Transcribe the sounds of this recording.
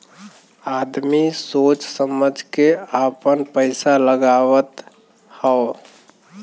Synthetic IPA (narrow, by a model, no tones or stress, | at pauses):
ad̪misot͡ʃsəməd͡ʒʱkeapənpəɪsaləɡaʋət̪ | həo